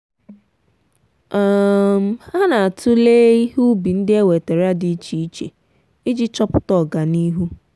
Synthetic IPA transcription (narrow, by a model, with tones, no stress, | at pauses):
ɔ˨m̩˦a˦na˨a˨tʊ˦leː˦i˦hu˦bi˨n̩˦dɪ˦e˦we˨te˨ɾa˦di˦t͡ʃi˨i˦t͡ʃḛ˨ | i˦d͡ʒi˦t͡ʃɔ˦pʊ˦tɔ˨ɡa˨ni˦ɦu˦